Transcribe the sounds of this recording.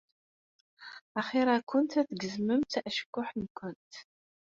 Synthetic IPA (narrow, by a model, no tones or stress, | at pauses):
aχeɾakʷʰʊntʰɐt̪ɡɨzmɨmtʰɐʔəʃkʷʼʊħnkʷʰʊntʰ